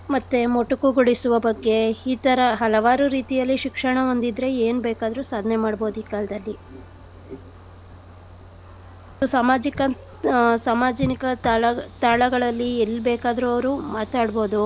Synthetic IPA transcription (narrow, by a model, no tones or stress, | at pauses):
mɐt̪ːemoʈːukuɡuɽisuʋɐbɐɡːe̞iːt̪ɐɾɐɦɐlɐʋaːɾuɾiːt̪ijɐlːiʃikʂɐɳɐond̪id̪ɾe̞eːnbɛːkaːd̪ɐɾusaːd̪ʱnemaːɖbo̞ːd̪uiːkaːlɐd̪ɐlːi | d̪usaːmaːd͡ʒikɐ | saːmaːd͡ʒɐnikɐt̪aːɭɐt̪aːɭɐɡɐɭɐlːielːbɛːkaːd̪ɐɾuɐʋɐɾumaːt̪aːɽbo̞ːd̪u